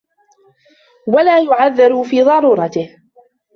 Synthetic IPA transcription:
walaːjʊʕaðːɪɾufiːðˤɑɾuːɾˤɑt̪ɪh

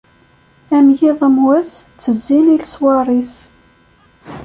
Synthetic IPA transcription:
æmjiðˤəmwæst͡sːəzːililswɑrˤis

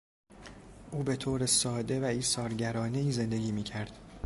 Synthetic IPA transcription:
ʔuːbe̞t̪ʰoːɾesɒːd̪e̞væiːsɒːɾɟæɾɒːneiːze̞nd̪e̞ɡʲiːmiːcʰæɾd̪̥

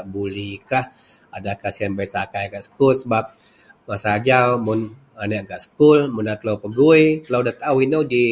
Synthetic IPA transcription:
aʔbulihkah | adakahsianbajsakajaɡaʔsə̥kʊlsəbap̚ | masaːd͡ʒawmʊn | anaʔɡaʔsə̥kʊlmunat̪əlawpəɡuit̪əlowdat̪awinowdi

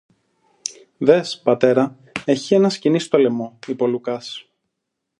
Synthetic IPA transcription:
ðe̞spɐt̪e̞ɾɐ | e̞çie̞nɐscinist̪o̞le̞mo̞ipo̞lukɐs

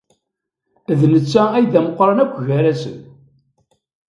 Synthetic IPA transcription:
ðnət͡sːææjðæməqːɾˤɑnækʷːʝæɾæsə̰n

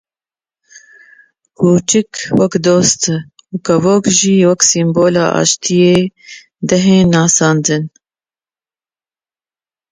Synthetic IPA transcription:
kʰuːt͡ʃɨkwɛkd̪oːst̪ɨ | uːkɐvoːkʒiːwɛksimboːlɑːʔɑ̰ːʃt̪ʰijeː | d̪ɛɦeːnɑːsɑːnd̪ɨn

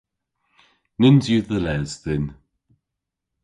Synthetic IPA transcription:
nɪnzjuðəlɛzðɪn

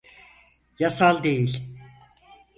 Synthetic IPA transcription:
jasalˠd̪e̞jilʲ

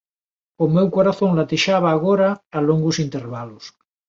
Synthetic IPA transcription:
omewkoɾaθoŋlat̪iʃaβ̞aːɣ̞oɾaːloŋɡusint̪eɾβalos

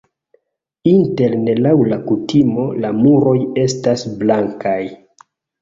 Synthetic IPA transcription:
inte̞lne̞lawlakutʰimo̞lamuɾo̞je̞stasblaŋkaj

